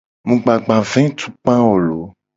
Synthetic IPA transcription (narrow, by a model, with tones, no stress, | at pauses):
mũ˨ɡ͡ba˨ɡ͡bã˨vɛ̃˦t̪ʰu̥˦k͡pã˦wo˨lo˨˦